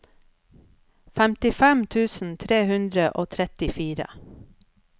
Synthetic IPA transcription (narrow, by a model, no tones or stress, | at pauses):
fæmt̪ɪfæmt̪ʰʉːsn̩t̪ʰɾeːhʉnd̪ɾəʔoːt̪ʰɾɛt̪ɪfiːɾə̰